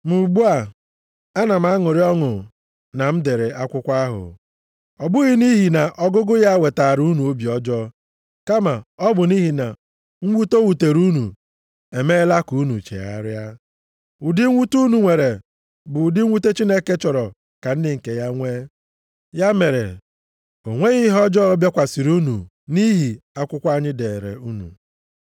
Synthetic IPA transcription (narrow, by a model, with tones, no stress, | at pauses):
mu˨ɡ͡bu˦a˨ | a˦na˨m̩˦a˦ŋʊ˨ɾɪ˦ɔ˦ŋʊ˨ | na˨m̩˦de˨ɾe˨ʔa˦kʷʊ˦kʷa˦ɦʊ̰˨ | ɔ˨bʊ˦ɣɪ˦ni˦ɦi˨na˨ʔɔ˦ɡʊ˦ɡʊ˦ja˦we˨ta˨ɾu˦nu˨o˦bi˨ɔ˦d͡ʒɔ˦ | ka˦ma˨ɔ˦bʊ˨ni˦ɦi˨na˨ | ŋ̩˦wu˦to˦wu˨te˨ɾu˦nṵ˨ | e˨me˦la˦ku˨˦nu˨t͡ʃḛ˨a̰˨˦ɾa˦ | ʊ˨dɪ˦ŋ̩ʷ˦u˦tu˦nu˨ŋʷe˨ɾe˨ | bʊ˨dɪ˦u˦te˦t͡ʃi˦ne˦ke˦t͡ʃɔ˨ɾɔ˨ | ka˨n̩˦dɪ˦ŋ̩˨ke˨ja˦ŋʷe˦ | ja˦me˨ɾḛ˨ | o˨ŋʷe˦ɣɪ˦ɦɔ˦d͡ʒɔ˦bja˦kʷa˨si˨ɾu˦nṵ˨ | ni˦ɦi˨a˦kʷʊ˦kʷa˦ɲɪ˦de˨ɾḛ˨u˦nṵ˨